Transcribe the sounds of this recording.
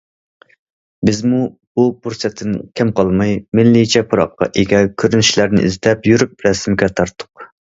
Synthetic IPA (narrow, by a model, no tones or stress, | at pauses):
bɪzmububuɾsɛt̪ʰːɪnkʲʰɛmqʰɑlˠmɑjmɪnlːit͡ʃʰɛpʰʊɾɑ̰qːɑ̰ʔeɡʲɛkʲʰøɾynyʃlæɾnɪ̰ʔḭzd̪ɛpjyɾyp̚ɾɛsmɪɡʲɛt̪ʰɑɾt̪ʰːʊ̥q